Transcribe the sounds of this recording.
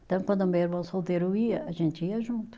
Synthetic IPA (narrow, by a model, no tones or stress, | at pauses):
ẽt̪ɐ̃w̃kwɐ̃nd̪ɐmɐɛɾvɐ̃w̃solˠt̪eɾuiɐɐʒẽnt̪iɐʒũnt̪u̥